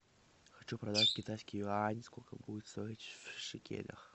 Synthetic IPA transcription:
xɐt͡ɕupɾɐd̪atʲkʲɪt̪ajskʲɪjʊanʲskolʲkəbuɪt̪st̪ojitʲfʂɨkʲḛlʲə̰x

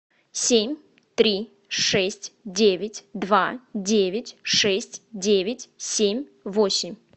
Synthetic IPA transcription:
sʲemʲ | t̪ɾʲi | ʂɛsʲtʲdʲevʲɪtʲd̪vadʲevʲɪtʲʂɛsʲtʲdʲevʲɪtʲsʲemʲvosʲɪmʲ

